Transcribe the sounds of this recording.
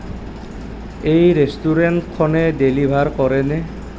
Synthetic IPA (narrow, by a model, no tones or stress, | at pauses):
ejɾestuɾenʈkʰːɔnedelibʱaɾkɔɾene